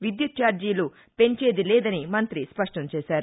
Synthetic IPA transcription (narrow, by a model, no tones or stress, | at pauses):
ʋid̪jut̪̚t͡ʃaːɾd͡ʒiːlu | pe̞ɲt͡ʃe̞ːd̪ilɛːd̪ɐnimɐnt̪ɾispɐʂʈɐmt͡ʃɛːʃaːɾu